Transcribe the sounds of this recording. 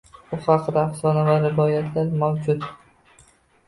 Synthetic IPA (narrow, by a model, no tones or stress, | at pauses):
ʊhɑqʰɨd̪aːhsɒnavaɾɪvɒjat̪ʰlaɾmawd͡ʒʊt̪